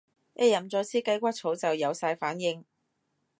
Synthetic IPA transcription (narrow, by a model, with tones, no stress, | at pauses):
ʔɛː˧jɐ˨˩mt͡sɔː˧jsiː˥kɐ˥jkʷaː˥t̚t͡sʰo˨˥wt͡sɐ˨wjɐ˨˧wsaː˧jfaː˨˥njɪ˨˩ŋ